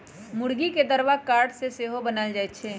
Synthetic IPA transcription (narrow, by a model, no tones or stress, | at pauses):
mʊɽɡiked̪əɾʋakaːɾɖseseːɦobənaːld͡ʒaːet͡ʃʰeː